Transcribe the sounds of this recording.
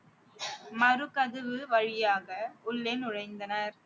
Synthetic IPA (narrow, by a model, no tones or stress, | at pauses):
mɐɾɯkɐðɯʋɯʋɐɻɪjaːɣɐʊɭːenʊɻɐɪnd̪ɐnɐɾ